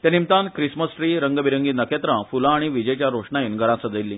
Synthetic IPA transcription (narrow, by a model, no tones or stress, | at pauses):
t̪jãnimt̪ãnkɾisməsʈɾiːɾəŋɡəbiɾəŋɡiːnəket̪ɾãfulãːɽ̃iʋid͡ʑet͡ɕjaɾoʂɳaiːnɡʱəɾãsəd͡zəilːiː